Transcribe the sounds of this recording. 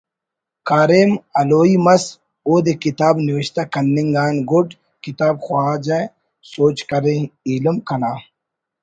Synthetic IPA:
kaːɾemɐloːimɐs | oːd̪ekit̪aːbniwɐɕt̪akɐnːiŋɡaːnɡoɖ | kit̪aːbxwaːd͡ʑɐ | soːt͡ɕkɐɾẽilɐmkɐnaː

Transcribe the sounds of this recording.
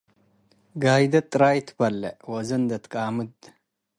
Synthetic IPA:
ɡaːjd̪ɐt̪ʼːɾaːjt̪ʰpɐlːḛwɐzɐnd̪ɐt̪kʼaːmɨd̪

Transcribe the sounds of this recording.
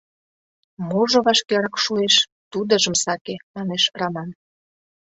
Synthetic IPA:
moʒŏβɑʃkeɾɑkʃueʃ | t̪ud̪ə̆ʒə̆msɑkemɑneʃrɑmɑn

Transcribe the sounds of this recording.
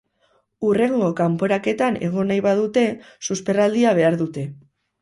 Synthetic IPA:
ure̞ŋɡo̞kampo̞ɾake̞t̪ane̞ɣ̞o̞najβaðut̪e̞ | suspe̞rald̪iaβ̞e̞aɾðut̪e̞

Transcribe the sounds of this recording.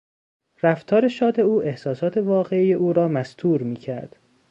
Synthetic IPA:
ɾæft̪ʰɒːɾe̞ʃɒːd̪e̞uːʔe̞hsɒːsɒːt̪ʰe̞vɒːɣe̞ijeʔuːɾɒːmæst̪ʰuːɾmiːcʰæɾd̪̥

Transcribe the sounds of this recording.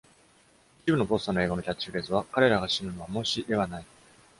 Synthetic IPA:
i̥t͡ɕibɯ̟nobo̞st̪ano̞e̞ːɡonocʲat͡ɕːiɯɾesɨβ̞akaɾe̞ɾaɡaɕinɯ̟no̞βamo̞ɕiʔe̞βanai

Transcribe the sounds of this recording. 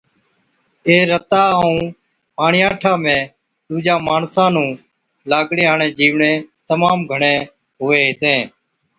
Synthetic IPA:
eːɾət̪aːũː | paːɳɪjãːʈʰaːmẽː | ɗuːd͡ʒãːmaːɳsãːnũː | laːɡɽẽːaːɳẽːd͡ʒiːʋɳeːt̪əmaːmɡʱəɳẽː | ɦʊʋeːɦɪt̪ẽː

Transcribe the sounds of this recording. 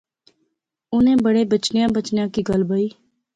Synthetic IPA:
ʊnẽːbəɽeːbət͡ʃnɪjãːbət͡ʃnɪjãːkiːɡəlbəiː

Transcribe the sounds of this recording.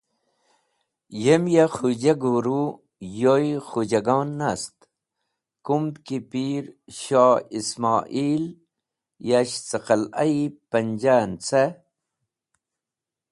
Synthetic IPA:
jemjaxud͡ʑaɡuːɾu | jojχud͡ʑɐɡɑːnːast̪ | kumd̪kipiːɾɕaːismaːʔiːl | jaɕt͡səqɐlɐ̰ipɐnd͡ʑaːnt͡se

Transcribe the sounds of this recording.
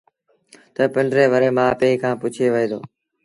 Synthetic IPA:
t̪əpɪɳɖɾeːʋəɾeːmãːpeːiːkʰãːpʊt͡ʃʰeːʋəɦeːd̪o̰ː

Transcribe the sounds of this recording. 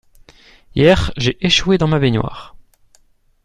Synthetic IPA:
jɛʁʒeʔeʃwed̪ɑ̃mabenwa̰ːʁ

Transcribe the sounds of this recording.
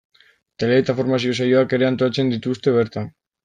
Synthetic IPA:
t̪e̞le̞ːt̪afo̞ɾmasio̞s̬ajo̞ake̞ɾe̞ant̪oat͡se̞nd̪it̪ust̪e̞βe̞ɾt̪an

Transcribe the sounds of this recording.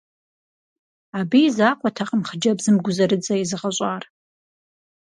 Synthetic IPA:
abijzaːqʷʰʼatʰaqʼəmχd͡ʒɐbzɨmɡʷʊzɐɾɨt͡sʼɐizɨʁaɕʷʼar

